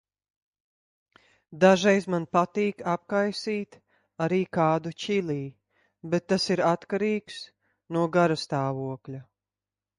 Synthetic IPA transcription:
d̪aʒɛjzmanpat̪iːkap̚kajsiːt̪ | aɾiːkaːd̪ut͡ʃilˠiː | bɛt̪ːasiɾat̪kaɾiːks | nuɔɡaɾast̪aːvuɔklʲa

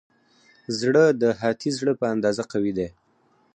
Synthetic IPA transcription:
zɽəd̪əɦɑt̪ʰizɽəpəand̪ɑzaqawid̪e

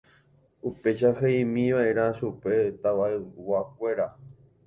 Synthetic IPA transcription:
upe̞ʃaheĩmĩʋaeɾ̃ãʃupe̞t̪aʋaewak̚ʷe̞ɾa

